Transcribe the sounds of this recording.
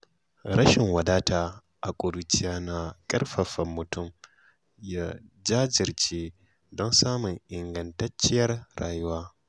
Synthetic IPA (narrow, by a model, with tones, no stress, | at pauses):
ɾɐ˦ʃɪ˨ŋwɐ˨daː˦tʰaː˨ | ʔa˨kʷʼʊ˨du˨t͡ʃɪ˦jaː˦na˨kʼɐ˦rɸɐ˨ɸɐ˨mːʊ˨tʊ˦˨m | ja˦d͡ʒaː˦d͡ʒɪ˨ɾt͡ʃeː˦ | dɔ˦nsaː˦mʊ˨ŋʔɪ˨ŋɡɐ˨ntɐ˦t͡ʃɪ˦jɐ˦rɽa̰ː˨jʊ˦waː˦